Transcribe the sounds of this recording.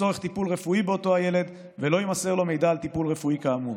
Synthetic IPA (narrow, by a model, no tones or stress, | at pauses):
o̞ʁeχt̪ipulʁefuibeo̞t̪o̞aje̞le̞d̪ | ve̞lo̞jimase̞ʁlo̞me̞jd̪aːlt̪ipulʁe̞fuikaːmu